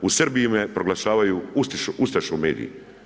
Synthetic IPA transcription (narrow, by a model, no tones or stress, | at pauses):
usr̩bijimepɾoɡlaʃaːʋajuust̪iʃust̪aʃoumeːd̪ḭjḭ